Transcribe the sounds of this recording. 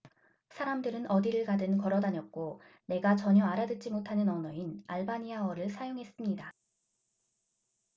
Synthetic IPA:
sʰaɾamdɯɾɯnʌdiɾɯɭkadɯnkʌɾʌdaɲʌk̚k͈one̞ɡat͡ɕʌɲʌaɾadɯt͡ɕ͈imotʰanɯnʌnʌinaɭbaɲiaʌɾɯɭsʰajoŋɦe̞s͈ɯmɲida

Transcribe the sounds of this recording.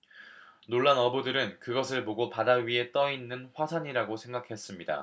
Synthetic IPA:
noɭːanʌbudɯɾɯnkɯɡʌsʰɯɭmoɡopadaɥie̞t͈ʌinːɯnɸwasʰaɲiɾaɡosʰe̞ŋɡakʰe̞s͈ɯmɲida̰

